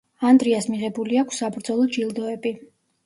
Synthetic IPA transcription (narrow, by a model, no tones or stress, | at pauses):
and̪ɾiasmiʁɛbuliakʷʰsːabɾd̪zɔlˠɔd͡ʒilˠd̪ɔɛbi